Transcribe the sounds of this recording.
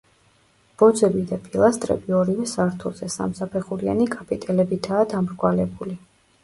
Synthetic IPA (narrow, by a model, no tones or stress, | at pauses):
b̥ɔd̪zɛbid̪apʼilˠast̪ʼɾɛ̰biɔɾivɛsaɾt̪ʰulˠzɛsa̰msapʰɛχulianikʼapʼit̪ʼɛlɛbit̪ʰaːd̪amɾkʼwalɛbuli